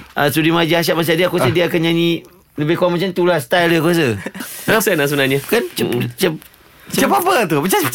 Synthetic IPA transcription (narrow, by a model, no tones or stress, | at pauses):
ʔasudimad͡ʒiaʃ̬at̚mat͡ʃadiakuosədiaakanɲani | ləbekoaŋmat͡ʃamt̪ulast̪ajləkuos̬əasanasəbənaɲakant͡ʃət͡ʃəp | t͡ʃəəpapət̪upət͡ʃa